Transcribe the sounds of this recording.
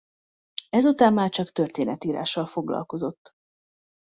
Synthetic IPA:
ɛzut̪aːmːaːrt͡ʃɒkt̪ø̞rt̪eːnɛt̪iːɾa̰ːʃːɒlfo̞ɡlɒ̰lko̞zo̞t̪ː

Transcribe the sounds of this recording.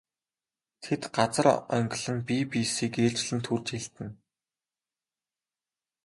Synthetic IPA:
t̪ʰet̪ɢat͡sə̆ɾœ̰ŋɡʲɪɮɘ̆npiːpisiːkeːɮt͡ɕɮɘ̆nt̪ʰurt͡ɕxeɬt̪ɘ̆n

